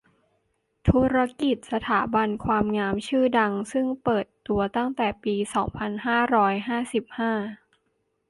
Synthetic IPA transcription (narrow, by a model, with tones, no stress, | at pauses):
t̪ʰuː˦˥ɾa˧ki˨˩t̪̚sa˧t̪ʰaː˩˦ba˧nkʰwaː˧mŋaː˦˧˥mt͡ɕʰɯː˥˩da˧ŋsɯ˥˩ŋpɤː˨˩t̪ːu˧ɐt̪a˥˩ŋt̪ɛː˨˩piː˧sɔː˩˦ŋpʰa˧nɦaː˥˩ɾɔː˦˥jɦaː˥˩si˨˩p̚haː˥˩